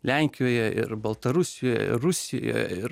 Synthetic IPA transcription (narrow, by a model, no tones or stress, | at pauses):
lʲæŋʲkʲɪjoːjɛɪ̰rbɐlˠt̪ɐɾʊsʲɪjoːjɛ̰ɪ̰rʊsʲɪjo̰ːjo̰jɛ̰ɪɾ